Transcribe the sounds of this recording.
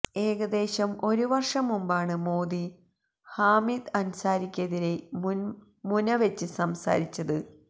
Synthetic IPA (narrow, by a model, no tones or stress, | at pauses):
e̞ːɡɐd̪e̞ːɕɐmo̞ɾuʋɐrʂɐmumbaːɳɨmoːd̪i | haːmid̪ɐnsaːɾikʲːɐðiɾe̞ | munɐʋet͡ɕːɨsɐmsa̰ːɾit͡ɕːɐðɨ